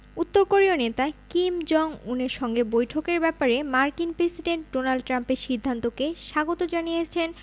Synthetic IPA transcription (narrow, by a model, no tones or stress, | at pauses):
ut̪ːoɾkoɾionet̪akimd͡ʑɔŋuneɾʃɔŋɡebojʈʰokeɾbɛpaɾemaɾkinpɾesiɖeɳʈ̚ɖonalɖʈɾampeɾʃid̪ʱːant̪okeʃaɡot̪od͡ʑanijet͡ɕʰen